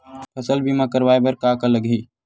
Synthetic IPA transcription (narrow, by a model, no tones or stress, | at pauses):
pʰɐsəlbʱimãkəɾʋaːebəɾkaːkaləɡɦiː